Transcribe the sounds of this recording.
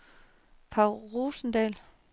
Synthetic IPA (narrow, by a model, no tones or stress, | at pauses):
pʰɑ̈ʊlʁoːsn̩d̥ɛːl